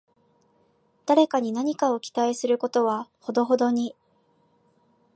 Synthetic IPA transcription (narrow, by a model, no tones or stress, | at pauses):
d̪̥aɾe̞kaɲ̟inaɲ̟ikao̞kʲi̥t̪aisɨɾɯ̟ko̞t̪o̞βaho̞d̪o̞ɦo̞d̪o̞ɲ̟i